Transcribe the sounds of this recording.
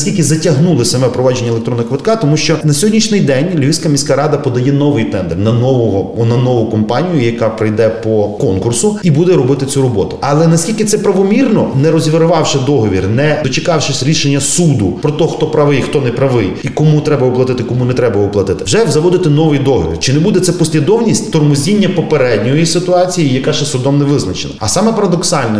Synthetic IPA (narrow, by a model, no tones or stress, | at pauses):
sʲkʲilʲkɪzɐtʲɐɦnulˠɪsɐmɛpɾɔʋɑd͡ʒenʲːɐlekt̪ɾɔnːɐkʋɪt̪kɑt̪ɔmuʃt͡ʃɔnɐsʲɔɦɔdʲnʲiʃnɪjd̪ɛnʲlʲʋisʲkɐmʲisʲkaɾɑd̪ɐpɔd̪ɐjɛnɔʋɪjt̪ɛnd̪ɛrnɐnɔʋɔɦɔnɐnɔʋʊkɔmpɑnʲijʊjɐkɑpɾɪjd̪ɛpɔkɔnkʊrsʊibud̪ɛɾɔbɪt̪ɪt͡sʲuɾɔbɔt̪ʊ̥ɐlˠɛnɐsʲkʲilʲkɪt̪sɛpɾɐʋɔmʲirnɔnɛɾɔzʲʋʲɪɾʊʋɑwʃɐd̪ɔɦɔʋʲirnɛd̪ɔt͡ʃɪkɑwʃɪsʲɾʲiʃenʲːɐsud̪ʊpɾɔt̪ɔxt̪ɔpɾɐʋɪjxt̪ɔnɛpɾɐʋɪjikɔmut̪ɾɛbɐʋʊplˠɐt̪ɪt̪ɪkɔmunɛt̪ɾɛbɐʋʊplˠɐt̪ɪt̪ɪwʒɛwzɐʋɔd̪ɪt̪ɪnɔʋɪjd̪ɔɦɔ̰ʋʲḭrt͡ʃɪnɛbud̪ɛt̪sɛpɔsʲlʲid̪ɔwnʲisʲtʲt̪ɔrmʊzʲinʲːɐpɔpeɾɛdʲnʲɔjisɪt̪ʊɑt͡sʲijijɐkaʃɛsʊd̪ɔmnɛʋɪznɐt͡ʃenɐ̰ɐsɑmɛpɐɾɐd̪ɔksɑlʲnɛ